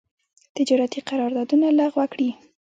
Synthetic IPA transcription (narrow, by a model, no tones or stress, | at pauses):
t̪ɪd͡ʒɑɾat̪iqɑɾɑɾd̪ɑd̪unalaɣwakɽi